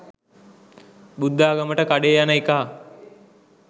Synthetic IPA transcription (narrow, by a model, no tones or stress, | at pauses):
bud̪ːaːɡəməʈəkaɖeːjanəikaɦa